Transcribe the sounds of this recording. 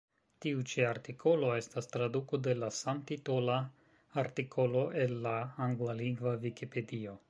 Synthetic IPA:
tiut͡ʃiaɾtikʰo̞lo̞e̞stast̪ɾaduko̞de̞lasamt̪itolaː | ɾtikʰo̞lo̞ʔe̞nːaaŋɡlaliŋɡvavikipe̞dio̞

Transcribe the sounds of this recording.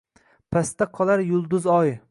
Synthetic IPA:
pʰast̪aqʰɒlˠaɾjʊlˠd̪ʊzɒj

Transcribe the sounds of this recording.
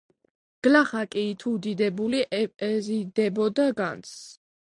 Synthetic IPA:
ɡ̥laχakʼiːt̪ʰud̪id̪ɛbuliʔɛpʼɛzid̪ɛbɔd̪aɡa̰nt̪s

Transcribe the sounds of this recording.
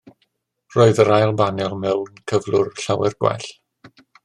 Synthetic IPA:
roːɨðəɾajlˠbanjɔlˠmɛlˠənkʰəvlˠʊrɬawɛrɡwa̰ɬ

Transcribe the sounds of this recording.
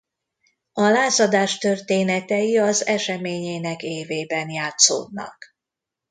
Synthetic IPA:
ɒlaːzɒd̪aːʃt̪ørt̪eːnɛt̪ɛjiɒzɛʃɛmeːɲeːnɛkeːveːbɛnjaːt̪so̰ːd̪̚nɒ̰k

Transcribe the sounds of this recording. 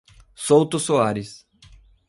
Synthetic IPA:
sowt̪ʊsoaɾɪs

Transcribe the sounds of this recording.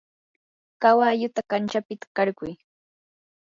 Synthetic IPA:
kawajʊt̪akant͡ʃapɪt̪ḁkɑɾkʊj

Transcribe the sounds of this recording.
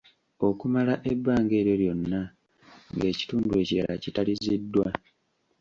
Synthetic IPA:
o̞kumalaʔe̞bːaːŋɡe̞ːɾjo̞ljo̞nːa | ŋɡe̞ːci̥tuːndue̞ciɾa̰la̰citalizidːwa

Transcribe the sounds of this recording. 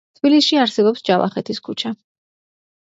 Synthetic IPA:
t̪ʰb̥ilisʃiaɾsɛbɔpsd͡ʒava̰χɛt̪ʰiskʰut͡ʃʰa

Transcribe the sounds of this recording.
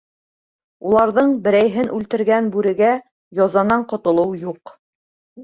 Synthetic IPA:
ulˠɑɾðɤɴbɘ̆ɾæjɦɘnʔʉlt̪ɘ̆ɾɡænbʉɾɘ̆ɡæ | jɑzɑnɑɴqŏt̪ŏlˠɤwjuq

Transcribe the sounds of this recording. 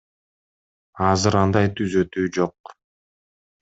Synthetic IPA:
ɑzɯɾɑnd̪ɑjt̪ʰyzø̞t̪yːd͡ʒo̞q̚

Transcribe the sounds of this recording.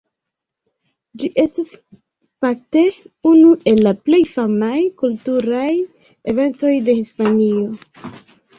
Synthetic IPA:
d͡ʒiʔe̞stis | fak̚te̞unuʔe̞lːaple̞jfamajkultuɾaj | eve̞nto̞jde̞hispanio̞

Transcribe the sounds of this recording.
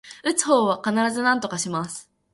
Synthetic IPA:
ɯ̟t͡sɨ̥ho̞ːβakanaɾazɨnãnt̪o̞kaɕimasɨ̥

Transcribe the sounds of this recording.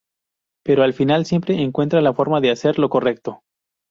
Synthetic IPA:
pe̞ɾoalfinalsje̞mpɾe̞ːŋkwe̞nt̪ɾalafo̞ɾmaðease̞ɾlo̞ko̞re̞k̚t̪o̞

